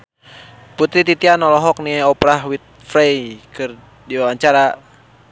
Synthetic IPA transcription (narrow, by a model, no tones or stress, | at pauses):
put̪ɾit̪it̪ianɔlɔɦɔk̚niɔpɾaɦwit̪̚fɾɛjkɨr | diwawaɲt͡ʃaɾa